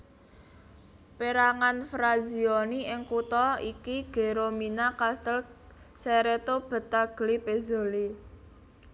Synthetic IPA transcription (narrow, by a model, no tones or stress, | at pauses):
peɾaŋanfɾaziɔniɪŋkut̪ɔikiɡ̥e̤ɾominakast̪əl | seɾet̪ob̥ə̤t̪ːaɡ̥ə̤lipezo̤li